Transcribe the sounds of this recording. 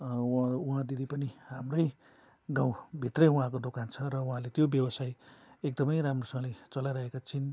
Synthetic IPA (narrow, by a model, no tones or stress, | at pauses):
uɦãd̪id̪ʱipʌnihamrʌj | ɡãw̃bʱit̪rʌjuɦãkod̪okant͡sʰʌɾʌuɦãlet̪jobjʌwʌsajek̚d̪ʌmʌjɾamrosʌŋʌlet͡sʌlajɾʌɦekat͡sʰin